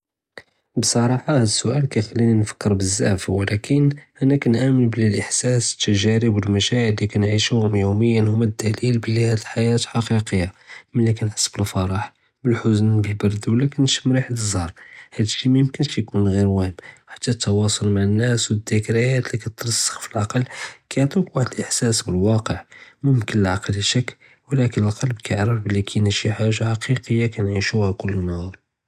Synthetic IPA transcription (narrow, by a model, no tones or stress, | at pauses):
bsˤɑɾˤɑħɑhæd̪əsːʊʔælkæjxælːininfə̥kːəɾbəzːæ̰ʕfwəlækʰənʔænækænʕæmənbəlilʔəħsæsə̥t̪ːəʒæɾəbwəlmæʃæʕəlːikænʕiʃuhʊmjuməjːənhʊmːæd̪ːælilbəlːihæd̪əlħajæt̪ħɑqiqəjːamənlːikænħə̥sːbəlfɑɾˤɑħ | bəlħʊzənbəlbɑɾˤd̪wlækənʃmɾiħd̪əzˤɑɾˤhæd̪əʃːimæjəmkənʃjkunɣiɾwæhəbħḁt̪ːæt̪ʰːɑwɑsˤolmaʕənːæswəd̪ːækɾəjæt̪likæt̪ːɾˤsːə̥xfilʕɑqɑlːkæjʕt̪ˤukwaħd̪lʔəħsæsbəlwɑqəʕmʊmkənəlʕɑqlʃəkː | wlækənəlqɑlbkʰæəʕɾəfbəlːikʰænəʃiħaʒːaħɑqiqəjːakænʕiʃuhækʊlːnɑɾ